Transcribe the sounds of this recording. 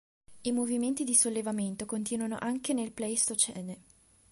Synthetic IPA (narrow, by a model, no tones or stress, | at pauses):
imoviment̪id̪isolːevament̪okont̪iːnwano̰ʔaŋkenelplɛst̪ot͡ʃɛne